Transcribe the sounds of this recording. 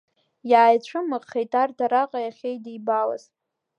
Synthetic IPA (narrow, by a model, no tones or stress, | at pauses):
jaːjt͡ɕʷʰʊmɨqχejtʰʼardʰaɾaqʼajaχʲejdijbala̰z